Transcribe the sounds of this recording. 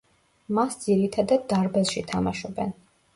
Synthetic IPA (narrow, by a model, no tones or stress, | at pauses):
masd̪ziɾit̪ʰad̪ad̪̚ːaɾbɛlˠʃit̪ʰamaʃɔbɛn